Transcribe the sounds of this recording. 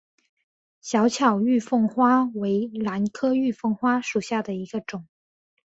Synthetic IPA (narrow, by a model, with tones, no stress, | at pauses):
ɕjɑ˧˥ʊt͡ɕʰjɑ˨˩ʊy˥˧fɤ˥˩ŋxwa˥we˧˥ɪla˧˥nkʰɤ˥y˥˧fɤ˥˩ŋxwa˥ʂu˨˩ɕja˥˩d̪ə˩i˧˥ɡ̥ə˧ʈ͡ʂʊ˨˩˦